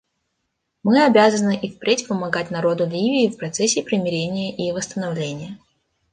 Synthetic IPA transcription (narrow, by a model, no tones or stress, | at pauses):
mɨɐbʲazənɨʔifpɾʲetʲpəmɐɡatʲnɐɾo̞d̪ʊlʲivʲɪːfpɾɐt̪sɛsʲːɪpɾʲɪmʲɪɾʲenʲɪjəʔivəst̪ənɐvlʲenʲɪjə